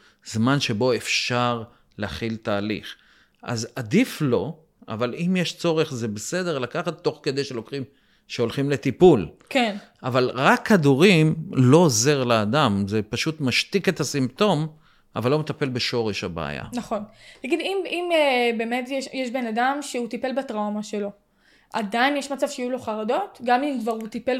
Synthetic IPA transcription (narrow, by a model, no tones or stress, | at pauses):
zmanʃe̞bo̞efʃaʁ | leaχilt̪aːlḭχ | ʔa̰zad̪iflo̞ | a̰valimjeʃt͡so̞ʁeχzebese̞d̪eʁlakaχat̪ːo̞χke̞d̪e̞jʃelokχim | ʃeolχimle̞t̪ipulken | ʔavalʁakʰːad̪uʁimlo̞ze̞ʁlead̪amzepaʃut̪maʃt̪ike̞t̪asimt̪o̞m | ʔa̰valːo̞met̪ape̞lbe̞ʃo̞ʁeʃhabḛa̰ja̰naχo̞ntaɡid̪imimebe̞metjeʃjeʃbe̞nadamʃeut̪ipe̞lbatʁawmaʃe̞lo̞ | ʔad̪ainjeʃmat͡sav̥ʃejulo̞χaʁado̞t̪ɡamimkvaʁhut̪ipel